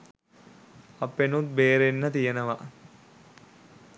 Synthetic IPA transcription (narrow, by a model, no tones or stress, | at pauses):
ɐpːenut̪̚beːɾenːət̪ijənəʋa